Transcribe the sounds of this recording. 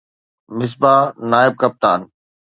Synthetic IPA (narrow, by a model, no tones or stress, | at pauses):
mɪs̬baːnaːɪb̚kɐp̚t̪a̰ːn